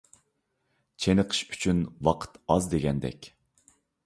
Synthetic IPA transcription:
t͡ʃʰenəqʰə̥ʃy̥t͡ʃʰynwɑqʰə̥t̪ɑzd̪eɡʲɛnd̪ɛ̰kʲ

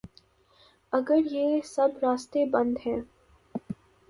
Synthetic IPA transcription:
ɐɡəɾjeːsɐbɾaːst̪ebɐ̃nd̪ɦɛ̃ː

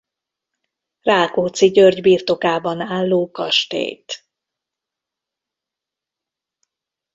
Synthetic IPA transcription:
raːlkoːt̪siɟørɟbiːrt̪o̞kaːbɒnaːlːoːkɒʃt̪ḛːjt̪

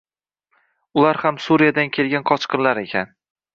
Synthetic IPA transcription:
ʊlaɾhamsuɾijad̪ankʲʰe̞lɡʲanqʰɒt͡ʃqɨnlaɾe̞kʲʰan

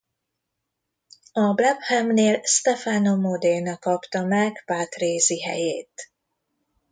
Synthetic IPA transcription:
ɒblɛphɛmneːlst̪ɛfaːnomod̪enɒkɒpt̪ɒmɛɡpaːt̪reːziɦɛ̰jeːt̪

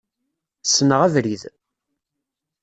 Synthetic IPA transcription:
sːnəʁæðɾið

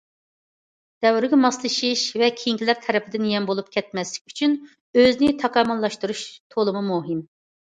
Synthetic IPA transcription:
d̪̥ɛwɾɪɡʲɛmɑslˠɨʃiʃvɛkʲʰejiŋkʲilæɾt̪ʰɛɾɛpʰɪd̪ɪnjɛnbolˠup̚kʲʰɛt̪̚mɛslɪkʲy̥t͡ʃʰyn | øznɪt̪ʰɑkɑmɑnlˠɑʃt̪uɾuʃt̪ʰolˠumumuɦim

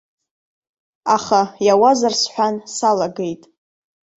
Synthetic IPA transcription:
aχajawazarsħʷᶣansalaɡe̞jtʼ

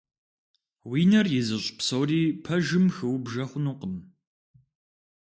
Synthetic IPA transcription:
wiːnɐrjɪzɨɕʼpsɐwriːpʰɐʒɨmxɨwbʒɐχʷʊnuqəm

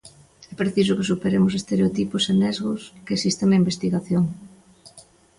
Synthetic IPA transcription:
ɛpɾeθis̬ʊkesupeɾemʊsest̪eɾeot̪ipʊsenɛzɣʊskeːsist̪ɐŋnɐimbest̪iɣaθjoŋ

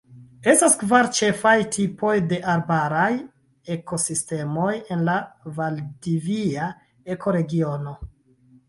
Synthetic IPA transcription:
e̞staskvaɾt͡ʃe̞fajtʰipʰo̞jde̞ʔaɾbaɾaj | e̞ko̞siste̞mo̞je̞nlavaldivia | e̞kʰo̞ɾe̞ɡio̞no̞

